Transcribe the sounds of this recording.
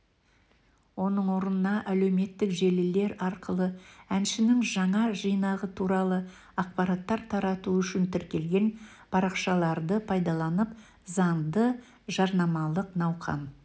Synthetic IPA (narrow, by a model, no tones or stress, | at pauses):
wo̞nəɴwo̞ɾənənɑʔæle̞wme̞t̪ːɪkʒelɪle̞ɾɑɾqəlˠəænʃɪnɪŋʒɑɴɑʒijnɑʁət̪ʰuɾɑlˠə | ɑq̚pɑɾɑt̪ːɑɾt̪ʰɑɾɑt̪uʏʃɪnt̪ʰɪɾkʲe̞lɡʲe̞npʰɑɾɑqʃɑlˠɑɾd̪əpʰɑjd̪ɑlˠɑnəp | zɑɴd̪ə | ʒɑɾnɑmɑlˠəqnɑwqɑ̰n